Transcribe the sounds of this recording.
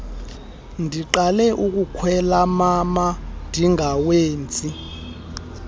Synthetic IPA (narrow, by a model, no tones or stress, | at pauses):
ndʱiǃalɛʔuk̬ʼukʰwɛlamamandʱiŋaweːnt͡sʼi